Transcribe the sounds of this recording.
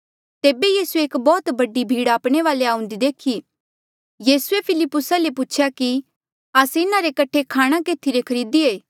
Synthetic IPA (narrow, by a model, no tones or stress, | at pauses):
t̪eːbejiːsueːkbɔːt̪bɐɖibʱiːɽaːpɽ̃eʋaːleaːʊ̃nd̪id̪eːkʰi | jiːsuepʰɪlɪpːʊsaleput͡ʃʰjaki | aːsɪnãɾekɐʈʰekʰaːɽ̃ãkeːt̪ʰiɾekʰɐɾiːd̪ieː